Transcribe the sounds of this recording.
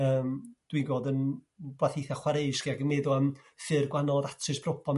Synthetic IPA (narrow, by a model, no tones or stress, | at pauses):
əːmd̥wiɡoːdənbaθijθaχwaɾeɨʃχiakənmeːðʊəmθɨrɡwanɔðatʰrɨsb̥rɔpʰɔm